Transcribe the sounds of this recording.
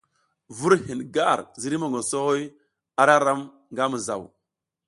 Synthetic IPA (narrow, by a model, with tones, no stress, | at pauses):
vu˦ɾhi˨nɡa˦˨ɾzi˦ɾi˦ma˨ŋɡo˨so˦ho˦j | a˦ɾa˦ɾa˦m | ŋɡa˦mu˨za̰˨w